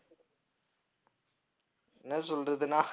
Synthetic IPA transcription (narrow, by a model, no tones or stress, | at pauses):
nɐsɔlrɐðɯnaː